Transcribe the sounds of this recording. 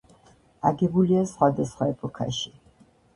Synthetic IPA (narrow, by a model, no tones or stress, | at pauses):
aɡɛbuliasχwad̪asχwaɛpʼɔkʰa̰ʃi